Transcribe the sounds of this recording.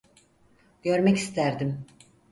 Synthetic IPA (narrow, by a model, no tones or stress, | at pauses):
ɟ̥ø̞ɾmɛci̥st̪ʰæɾd̪im